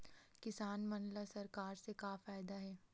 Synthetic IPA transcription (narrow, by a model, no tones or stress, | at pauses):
kɪsaːnmɐnlasɐɾkaːɾsekaːfaːjɪd̪aɦɛː